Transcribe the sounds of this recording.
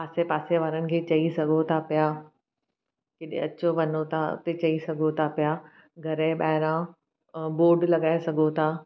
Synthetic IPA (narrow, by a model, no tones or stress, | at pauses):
paːsepaːseʋaːɾənɪ̆kʰet͡ɕɐisɐɡʱot̪ʰapjaː | keɗḛ̃ɐt͡ɕoʋɐnot̪ʰaʊ̰t̪et͡ɕɐisɐɡʱot̪ʰapɪjaː | ɡʱɐɾẽɓaːɦɪɾã | boːɖlɐɡaːesɐɡʱot̪ʰaː